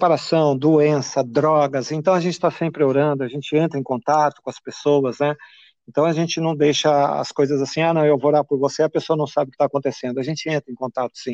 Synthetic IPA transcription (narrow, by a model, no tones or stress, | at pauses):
paɾasɐ̃w̃d̪oẽsɐd̪ɾɔɡɐzẽnt̪ɐ̃w̃ɐʒẽt͡ʃɪ̥t̪asẽmpɾɪoɾɐ̃nd̪ʊɐʒẽnt͡ʃɪẽnt̪ɾɐẽkõnt̪at̪ʊ̥kõɐspesowɐznɛ | ẽnt̪ɐ̃w̃ɐʒẽt͡ʃɪnɐ̃w̃d̪ejʃɐɐ̰skojzɐzasĩanɐ̃w̃ewvooɾaɾpʊɾvoseɐpesoɐnɐ̃w̃sabɪʊkɪ̥t̪aːkõnt̪esẽnd̪ʊɐʒẽnt͡ʃɪẽnt̪ɾẽkõnt̪at̪ʊ̥sĩ